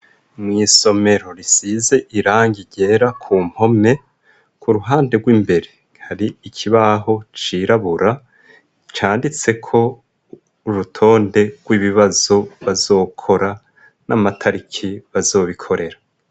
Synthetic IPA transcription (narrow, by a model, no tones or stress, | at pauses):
mŋiːso̞me̞ɾo̞ɾisize̞ʔiɾaːɲɟiɟe̞ːɾakʰuːm̥ho̞me̞ | kuɾuɦaːnde̞ɡwiːmbe̞ɾe̞ | haɾiːcʰiβaɦo̞t͡ʃiɾaβuɾa | t͡ʃaːndit͡se̞kʰo̞ | uɾutʰo̞ːnde̞ɡ̥wiβiβazo̞βazo̞ːkʰo̞ɾa | namatʰaɾikʰiβazo̞ːβikʰo̞ɾe̞ɾa